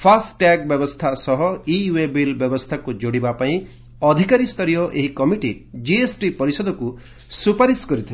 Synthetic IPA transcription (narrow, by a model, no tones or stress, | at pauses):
pʰasʈʈak̚bjɔbɔst̪ʰasɔɦɔiwebilbjɔbɔst̪ʰakud͡ʒoɽibapaĩ | ɔd̪ʱikaɾist̪ʰɔɾijɔʔeɦikɔmiʈḭd͡ʒiesʈipɔɾisɔd̪ɔku | supaɾiskɔɾit̪ʰil